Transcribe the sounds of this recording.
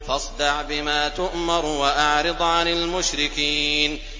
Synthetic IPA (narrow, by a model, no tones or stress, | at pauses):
fɑsˤd̪ɑʕbɪmaːt̪ʊʔmɑɾˤwaʔaʕɾɪd̪ˤʕanɪlmʊʃɾɪkiːn